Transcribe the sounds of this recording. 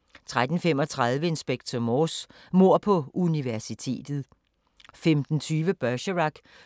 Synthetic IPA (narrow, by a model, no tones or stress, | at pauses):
t͡sʰʁad̥n̩fem̰ɒt͡sʰʁað̞ˠʋəe̝nsb̥eɡ̥̚t͡sʰɒmɔːs | mo̝ɐ̰pʰɒ̽uniʋæɐsit͡sʰe̝̰ːd̥ð̞̩ˠ | femd̥n̩t͡sʰyːʋəb̥œɕəʁɑɡ̥